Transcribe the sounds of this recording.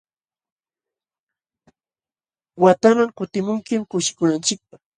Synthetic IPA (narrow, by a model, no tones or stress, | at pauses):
wat̪amaŋkʊt̪ɪmʊŋkɪmkʊʃɪ̥kʊnant͡ʃɪk̚pɑχ